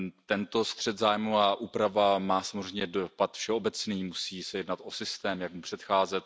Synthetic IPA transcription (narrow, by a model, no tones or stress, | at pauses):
t̪ɛnt̪o̞st̪r̝̥ɛd̪zaːjmuaʔuːpɾavamaːsamozrɛjɲɛdopat̪fʃɛo̞bɛt͡sniːmusiːsɛjɛdnat̪ʔo̞sɪst̪ɛːmjakupr̥ɛt̪xaːzɛt̪̚